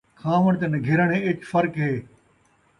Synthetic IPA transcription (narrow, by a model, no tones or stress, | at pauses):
kʰãːʋəɳ̃t̪enɐɡʱɪɾəɳ̃ẽːɪt͡ʃfɐɾkɦeː